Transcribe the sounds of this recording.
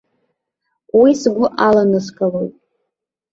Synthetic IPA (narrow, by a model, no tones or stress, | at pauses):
wisɡʷʊʔalanɨskʼalowtʼ